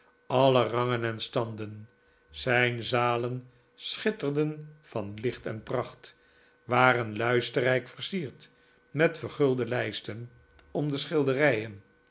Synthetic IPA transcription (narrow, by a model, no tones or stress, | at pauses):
ɑlərɑŋənɛnstɑndən | z̥ɛjnzaːlən | sχɪtərdənv̥ɑnlɪχtɛ̰nprɑχt | ʋaːrənlœɥstərɛjkfəɹsiːɹt | mɛtfəɹχɵlˠdəlɛjstən | ɔmdəsχɪlˠdərɛjən